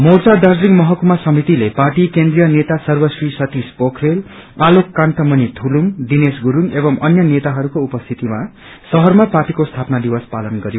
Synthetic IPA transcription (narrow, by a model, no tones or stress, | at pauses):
mort͡sad̪ad͡zrikmʌɦʌkumasʌmit̪ileparʈikend̪rijʌnet̪asʌrbʌsrisʌt̪ispokʰrel | alokːant̪ʌmʌnit̪ʰulumɖinesɡuɾunebʌmʌnjʌnet̪aɦʌɾukoupʌst̪ʰit̪ima | sʌɦʌrmaparʈikost̪ʰapnad̪iwʌspalʌnɡʌɾjo